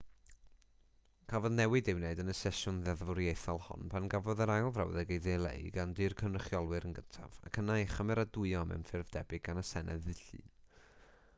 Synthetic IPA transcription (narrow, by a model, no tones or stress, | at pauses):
kʰavɔðnɛwɨdɪwneɨdənəsɛʃʊnðɛðvɔɾjejθɔlˠhɔ̰npʰanɡavɔðəɾajlˠvra̰wðɛɡejðelˠḛjɡandɨrkʰənrəχjɔlˠwɨɾənɡəntʰa̰va̰kʰənajχəmɛɾadʊɨɔmɛ̰wnfɪrvdɛbɨɡ̚ɡanəsɛnɛ̰ðɨɬɨ̰n